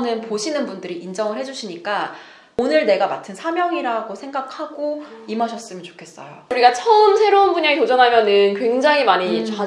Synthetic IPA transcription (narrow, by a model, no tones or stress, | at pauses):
nɯnpoɕʰinɯnbundɯɾiind͡ʑʌŋɯɭhɦe̞d͡ʑuɕʰiɲik͈a | onɯɭne̞ɡamatʰɯnsʰamjʌŋiɾaɡosʰe̞ŋɡakʰaɡoimaɕʰʌs͈ɯmjʌnt͡ɕo̥kʰe̞s͈ʌ̰jouɾiɡat͡ɕʰʌɯmsʰe̞ɾounbuɲaŋitod͡ʑʌnɦamjʌnɯnkwe̞ŋd͡ʑaŋimaɲit͡ɕa